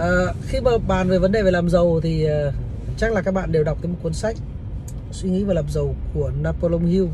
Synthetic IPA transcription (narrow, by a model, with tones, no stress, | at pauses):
ʔəː˨˩xi˧məː˨˩ɓa̰ː˧˨nve˨˩və˨˦nɗe˨˩ve˨˩laː˨˩mzə˨˩wt̪ʰi˨˩əː˨˩˨ | t͡ɕa˦˥laː˨˩kaː˦˥k̚ɓa̰ː˧˨nɗe˨˩wɗw̪̚əː˨˦jm̚˨˩kwə˦nsa˦˥jk̚ | swi˧ŋḭ˧˥vaː˨˩laː˨˩mzə˨˩wku˧˩ənaː˧po˧lo˧wŋ͡mhi˧w